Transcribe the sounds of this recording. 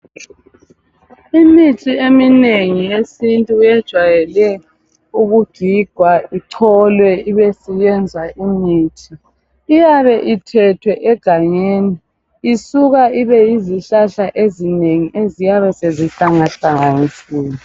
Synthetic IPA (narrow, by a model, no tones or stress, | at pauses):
initʼiemineŋiesintʼuujɛd̥ʒ̥ʱwajɛlɛ | uɣud̥ʱiɡ̥ʱwaiǀʰɔlwɛiβesijɛnd͡zʱaʔiniːtʰʼiː | jaβɛʔitʰɛtʰwɛʔɛɡ̥ʱaɲeːniː | suɣaiβɛjiziɬaɬaʔezineŋiʔezijaβɛseziɬaŋaɬaŋanisiːni